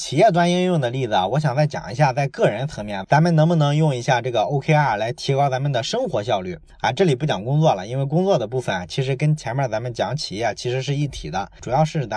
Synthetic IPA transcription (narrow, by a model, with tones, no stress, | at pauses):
t͡ɕʰi˨˩jɛ˥˩t̪wa˥ni˥njʊ˥˩ŋd̪ə˩li˥˩d͡z̩˩a˨˩wɔ˧˥ɕ̬jɑ˨˩ŋt͡sa˥˩ɪt͡ɕjɑ̰˨˩ŋi˧˥ɕja˥˧t͡sa˥˧ɪkɤ˥˩ɻə˧˥nt͡sʰɤ˧˥ŋmjɛ˧˥nt͡sa˧˥mə˨nɤ˧˥ŋmu˧nɤ˧˥ŋjʊ˥˩ŋi˧˥ɕja˥˧ʈ͡ʂɤ˥˩ɡə˩o˥ʊkʰe˥ɪa˥˩la˧˥ɪt̪ʰi˧˥kɑ˥t͡sa˧˥mə˨nd̪ə˩ʂɤ˥ŋxwɔ˧˥ɕjɑ˥˧ʊly˥˩ | ɐ˧˩ʈ͡ʂɤ˥˩li˨˩pu˥˩t͡ɕjɑ̰˨˩ŋkʊ˥ŋt͡swɔ˥˩lə˩i˥nwe˥˩ɪkʊ˥ŋt͡swɔ˥˩d̪ə˩p̬u˥˩fə˩n˩t͡ɕʰi˧˥ʂɻ̩˧˥kə˥nt͡ɕʰjɛ˧˥nmə˞˧˥t͡sa˧˥mə˧˨nt͡ɕjɑ˧˥ŋt͡ɕʰi˨˩jɛ˥˩t͡ɕʰi˧˥ʂɻ̩˧˥ʂ̬ɻ̩˥˧i˥˩t̪ʰḭ˨˩d̪ə˦ʈ͡ʂu˨˩jɑ˥˧ʊʂɻ̩˥˩t͡s